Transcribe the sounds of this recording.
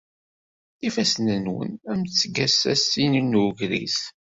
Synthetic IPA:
ifæsnənwə̰næmt͡sːəɡæsæ̰sininːʝɾḭs

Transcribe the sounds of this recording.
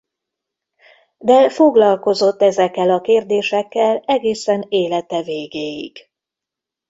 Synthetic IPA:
d̪ɛfo̞ɡlɒlko̞zo̞t̪ːɛzɛkːɛlɒkeːrd̪eːʃɛkːɛlɛɡeːsɛneːlɛt̪ɛveːɡeːjḭɡ̥

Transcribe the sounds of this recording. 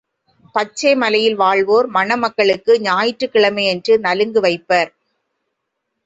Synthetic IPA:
pɐt͡ʃːeːmɐlɐjɪlʋaːɭʋoːɾmɐnɐmɐkːɐɭɯkːɯɲaːjɪʈrɯkːɪɭɐmɐɪɛndrɯnɐlɯŋɡɯʋɐɪpːɐːɾ

